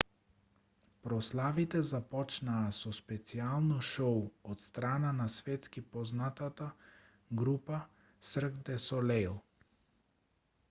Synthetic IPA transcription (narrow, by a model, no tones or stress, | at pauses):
pɾɔslˠavit̪ɛzapɔt͡ʃnaːsɔspɛt̪sialˠnɔʃowɔt̪st̪ɾananasvɛt̪skipɔznat̪at̪a | ɡɾupa | sr̩ɡd̪ɛsɔlɛlˠ